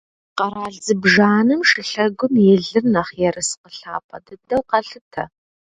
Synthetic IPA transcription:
qɐɾaːɮzɨbʒaːnɨmʂɨɬɐɡʷʊmjɛɮɨrnɐχjɛrɨsqəɬa̰ːpʰɐ̰dɐdɐwqɐɬɨtʰɐ̰

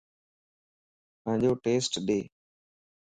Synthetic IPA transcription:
pə̃ɦɲd͡ʒoːʈeːsʈɗ̪eː

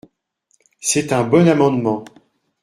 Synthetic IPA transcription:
sɛt̪ɛ̃bɔnamɑ̃d̪mɑ̃

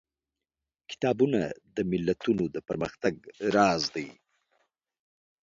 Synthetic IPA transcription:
kɪ̥t̪ɑbuna̰d̪əmɪlːat̪unod̪əpəɾməxt̪aɡ̚ɾɑzd̪aj

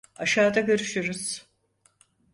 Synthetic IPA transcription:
aʃaːd̪aɡøɾyʃyɾuz̥

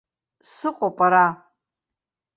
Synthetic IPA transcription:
sɨqʷʼopʼaɾa

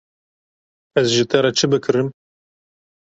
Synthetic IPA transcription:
ɛzʒɨt̪ɛɾɛt͡ʃʰɨbɨkʰɨɾɨm

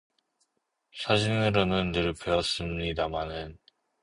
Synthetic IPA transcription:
sʰad͡ʑinɯɾonɯnːɯɭpeʌs͈ɯmɲidamanɯn

